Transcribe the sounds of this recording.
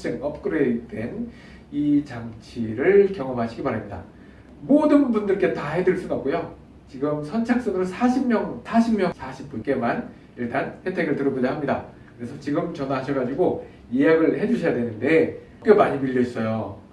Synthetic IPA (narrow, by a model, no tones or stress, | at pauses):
s͈ɯŋʌp̚k͈ɯɾede̞n | it͡ɕaŋt͡ɕʰiɾɯɭkjʌŋʌmɦaɕʰiɡipaɾamɲida̰ | modɯnbundɯɭk͈e̞taɦe̞dɯɭs͈unʌp̚k͈ujo | t͡ɕiɡɯmsʰʌnt͡ɕʰak̚s͈ʌŋɯɾosʰaɕʰimmjʌŋsʰaɕʰimmjʌŋsʰaɕʰi̥p̚p͈unk͈e̞man | iɭt͈anhetʰwe̞ɡɯɭtɯɾʌbod͡ʑʌɦamɲida | kɯɾe̞sʰʌt͡ɕiɡɯmt͡ɕʌnɦaɕʰʌɡad͡ʑiɡo | ieɦaɡɯɭhe̞d͡ʑuɕʰʌjadwe̞nɯnde̞ | k͈jomaɲimiʎːʌs͈ʌjo